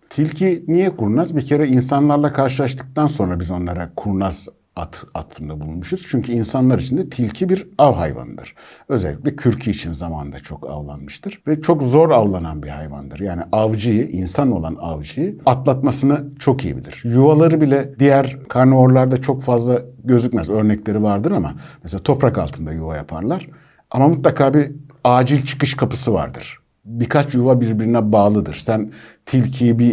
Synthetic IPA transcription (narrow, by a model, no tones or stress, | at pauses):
t̪ʰilʲcʰinijɛkʰuɾnazbicʰe̞ɾɛinsanlˠaɾlˠakʰaɾʃ̬ɯlˠaʃt̪ʰɯ̥k̚t̪ʰanso̞nɾabizo̞nlˠaɾakʰuɾnaz | a̰t̪ʰa̰t̪fɯnd̪abulˠunmuʃɯz̥t͡ʃʰyɲcʰyinsanlˠaɾit͡ʃʰind̪ɛt̪ʰilʲcʰibiɾavɦa̰jva̰nɯd̪ɯ̰ɾ̥ø̞zɛlʲːi̥cʲlʲɛcʰyɾcʰiːt͡ʃʰinzama̰nɯnd̪at͡ʃʰo̞ka̰vlˠa̰nmɯʃt̪ʰɯɾ̥vɛt͡ʃʰo̞kzo̞ɾavlˠananbihajva̰nd̪ɯɾjaːniʔavd͡ʒɯjɯʔinsano̞lˠa̰na̰vd͡ʒɯjɯat̪lˠat̪masɯnɯt͡ʃʰo̞kijḭbḭlʲḭɾ̥juvalˠaɾɯbilʲɛd̪ijæɾkʰaɾnuo̞ɾlˠaɾd̪at͡ʃʰo̞kfazlˠaɟø̞zycmæzø̞ɾnɛclʲe̞ɾivaɾd̪ɯɾama̰mɛselʲaːt̪ʰo̞pɾaka̰lˠt̪ʰɯnd̪ajuvajapʰa̰ɾlˠaɾ̥ | amamut̪lˠakʰaːbiaːd͡ʒilʲt͡ʃʰɯ̥kɯʃkʰapɯsɯva̰ɾd̪ɯ̰ɾ̥ | bikʰat͡ʃjuvabiɾbiɾinɛbaːlˠɯd̪ɯɾ̥sænt̪ʰilʲcʰijibi